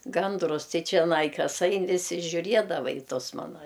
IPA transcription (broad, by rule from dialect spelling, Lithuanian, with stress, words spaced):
ˈɡɐndrʊs ˈtɐɪ t͡ʃʲɛˈnɐɪ ˈkɐs ˈɐɪn ʋʲɪˈsʲɪ ʒʲʊˈrʲiɛdɐʋɐ ɪ ˈtʊs ˈmɑːnɐ